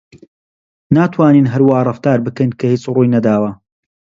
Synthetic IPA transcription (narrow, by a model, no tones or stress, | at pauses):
naːt̪ʰwaːniːnɦɐɾwaːrˤɐft̪aːɾbɨkɐjnkʰɐhiːt͡sruːjnɐd̪aːwɐ